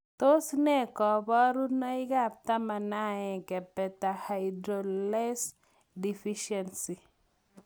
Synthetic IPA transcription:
to˦snɛ˦kɔ˨bɔ˦ɾu˦na˦i˦ɡa˦˨p̚t̪a˦ma˨na˦ɛ̃˨kɛ˨pɛ˨ta˨hajdɾolɛ˦s | di˨fiʃɛnsi˨

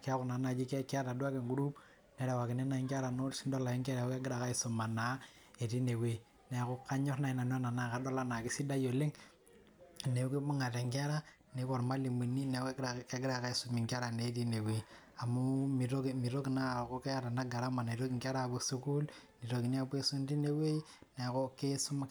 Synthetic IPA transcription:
ka˦ku˨na˨˦na˨d͡ʒi˦ke˦ka˦ɾa˨dwa˦ke˨ŋɡu˦ɾu˦b | ne˦ɾe˨wa˨ki˨ne˦na˦i˦ŋka˦ɾa˨no˦si˦ndo˦la˨i˦ŋka˦ɾa˨˦ka˦ɡi˦ɾa˨ka˦i˦su˨ma˨na˨˦ | e˨ti˦ne˨wi˨ | ne˨ku˦ka˦ɲɔ˦ɾna˦i˨na˨n˦a˦na˨na˦˨ka˦do˦la˦na˨ki˦si˦da˦jo˨le˦ŋ | ne˨u˦ki˦bu˦ŋa˨te˨ŋɡa˦ɾa˦ | ne˨˦ko˨ɾma˦li˨mu˨ni˦ne˨˦kka˦ɡi˦ɾa˨ka˦i˦su˨mi˨ŋɡa˦ɾa˨ne˦t̬i˦ne˨we˨˦ | a˨mu˦mi˨ɾo˦kmi˨ɾo˦kna˦˨ko˦ke˦a˦ɾa˨na˦ɡa˨ɾa˦ma˨na˨i˨ɾo˦ki˨ŋɡa˦ɾa˦˨bu˦su˦ku˦lni˨ɾo˨ki˨ni˦a˦be˦su˦n˦ti˦ne˦we˦i˦ne˨ko˦ke˦su˦ma˦

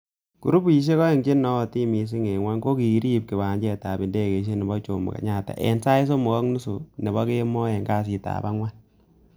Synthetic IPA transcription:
ku˨ɾu˦pi˨ʃ̬e˦kɔ˦e˨ŋɡɪ˦nɔ˦˨ti˦mi˨s̬i˦ŋe˨ŋwa˦nko˦ki˨˦ɾi˦˨p̚ki˨ba˨ɲd͡ʒɛ˦ta˨bi˨nde˦˨ke˨ʃ̬e˦nɪ˨bɔ˦t͡ʃo˨mṵ˨ka̰˨ɲa˦˨ta̰˨ʔɛ̰˨nsa˦ɪ˦s̬o˦mu˨kɔ˦knu˦su˨nɪ˨bɔ˦ke˦mɔ˦ɛ˨ŋɡa˦s̬i˨ta̰ː˨ba˦ŋwa˦n

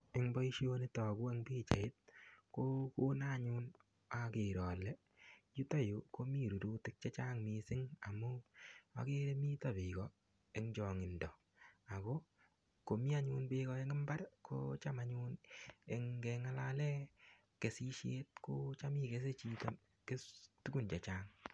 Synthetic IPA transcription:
e˦ŋbɔ˦i˦ʃjo˦ni˦tɔ˨ku˦e˦ŋbi˦t͡ʃa˨ɪ˦t̚ko˦ko˦na˦˨ɲu˦n | a˨ke˨ɾɔ˨lɛ˦ | ju˦tɔ˦˨ju˨ko˦mi˦˨ɾu˨duː˦tɪ˦k̚t͡ʃe˦t͡ʃa˦ŋmi˧sɪ˦ŋa˨mʊ˦a̰˨ke˦ɾe˦mi˦ta˨bɪ˨kɔ˦ | e˦ŋd͡ʒɔ˨ŋɪ˨ndɔ˨ | a˨ko˦ | ko˨mi˦a˦ɲu˦nbɪ˦ɣɔ˧e˦ŋɪ˦mba˦ɾkʰo̰˦t͡ʃa˦ma˨ɲu˦ne˨ŋɡɛ˧ŋa˦la˦lɛ˦ | ke˨si˦ʃe˦t̚ko˦t͡ʃa˦mi˦ke˦s̬e˦t͡ʃi˦tɔ | ke˦tu˦ku˨nt͡ʃa˨t͡ʃaː˦ŋ

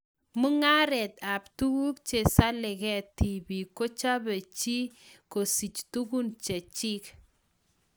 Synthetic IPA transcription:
mʊ˦ŋa˦ɾɛ˨t̪a˨ptu˦ɡu˦k̚t͡ʃe˨sa˦lɪ˨kɛ˦ti˨bi˨ko˦t͡ʃa˦bɛ˨t͡ʃi˦ko˨si˨t͡ʃtu˦ku˦nt͡ʃɛ˨t͡ʃi˦k

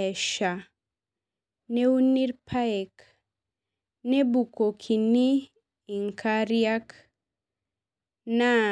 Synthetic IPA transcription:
ɛ˨ʃa˨ | ne˦u˦ni˦ɾpʰa˦ɛ˨k | ne˦bu˨ko˨kʰi˨niː˦˨ | ŋkʰa˦ɾja˦k | na˦

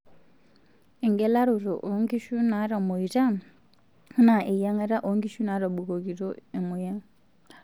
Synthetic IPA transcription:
i˨ŋɡɛ˦la˦ɾu˨ɾo̰˨ʔo˨˦ŋɡi˦ʃu˦na˨˦ɾɔ˨mo˨i˨ta˦ | na˨ʔe˨ja˦ŋe˦ɾa˦ʔo˨˦ŋɡi˦ʃu˦na˨˦ɾɔ˨ɓu˨ko˨ki˨ɾo˦e˨mu˨ja˦

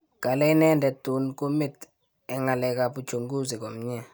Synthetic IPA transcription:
ka˨lɛ˦i˦nɛ˦ndɛ˨tu˨nku˦mi˦˨t | ɛ˨ŋa˨lɛ˨ka˨pu˨t͡ʃʰo˨ŋɡu˦zi˨kɔ˨m̩˦ɲɛ˦˨

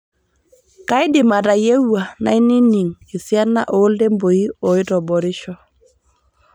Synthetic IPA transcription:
ka˦jdɪ˨ma˨ta˨je˦wa˨na̰˨i˦ni˦ni˨ŋi˨sja˦nːa̰˦ʔoː˨˦lde˦mbo˨i˦ɔ˨i˦tɔ˨bɔ˨ɾɪ˦ʃɔ˦

